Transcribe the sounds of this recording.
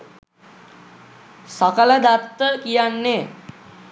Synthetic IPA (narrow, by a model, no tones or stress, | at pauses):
sɐkələd̪at̪ːəkijanːe